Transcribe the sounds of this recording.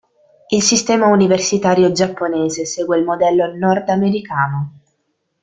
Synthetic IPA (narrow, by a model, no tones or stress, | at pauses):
ilsist̪ɛːmauniversit̪aːɾjod͡ʒapːonɛːzesɛːɡwelmod̪ɛlːonɔrd̪ameɾikaːno